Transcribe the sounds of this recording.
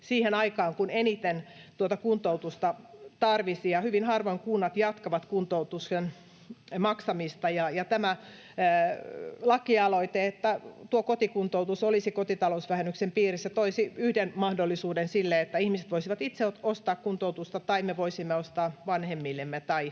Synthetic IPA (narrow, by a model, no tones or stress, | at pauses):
siːhenɑikɑːŋkunenit̪ent̪uot̪ɑkunt̪out̪ust̪ɑt̪ɑrʋisijɑhyʋinhɑrʋoŋkunːɑt̪jɑt̪kɑʋɑt̪kunt̪out̪usken | mɑksɑmist̪ɑjɑjɑt̪æmæ | lɑkːiɑloit̪eet̪ːæt̪uokot̪ikunt̪out̪usolisikot̪it̪ɑlousʋæhenːyksempiːrisːæt̪oisiyhdenmɑhdolːisuːdensilːeet̪ːæihmiset̪ʋoisiʋɑt̪it̪seoost̪ɑːkkunt̪out̪ust̪ɑt̪ɑimeʋoisimːeost̪ɑːʋɑnhemːilːemːet̪ɑi